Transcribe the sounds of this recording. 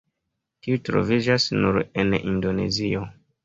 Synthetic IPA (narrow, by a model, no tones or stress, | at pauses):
tiutɾo̞̰vid͡ʒasnuɾḛnḭndo̞ne̞̰zio̞